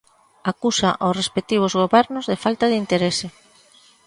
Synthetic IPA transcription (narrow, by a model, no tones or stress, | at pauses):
akusaʔosrespek̚t̪iβ̞ozɣ̞oβɛɾnozðefalt̪aðint̪eɾese